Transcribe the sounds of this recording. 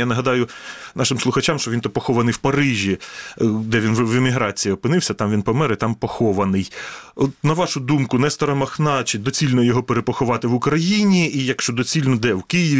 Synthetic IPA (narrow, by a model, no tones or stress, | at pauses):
janɐɦɐd̪ɑjʊnɑʃɪmslˠʊxɐt͡ʃamʃt͡ʃɔʋʲint̪ɔpɔxɔʋɐnɪjwpɐɾɪʒʲi | d̪ɛʋʲinʋemʲiɦɾɑt͡sʲijiɔpɪnɪwsʲɐt̪ɑmʋʲinpɔmɛɾɪt̪ɑmpɔxɔʋɐnɪjɔt̪nɐʋɑʃʊd̪umkʊnɛst̪ɐɾɐmɐxnɑt͡ʃɪd̪ɔt͡sʲilʲnɔjɔɦɔpeɾepɔxʊʋɑt̪ɪʋʊkɾɐjinʲiːjɐkʃt͡ʃɔd̪ɔt͡sʲilʲnɔd̪ɛwkɪjɪʋʲ